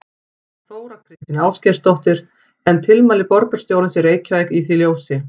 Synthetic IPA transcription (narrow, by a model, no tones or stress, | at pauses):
θoːwɾakʰɾɪst̪ɪnaːwscɛɾ̥st̪ɔht̪ɪɾ̥ | ɛnt̪ʰɪlmaːlɪpɔɾpʏɾ̥st̪jowɾɪnsɛɾeːjcvajkiθiljoːwsɪ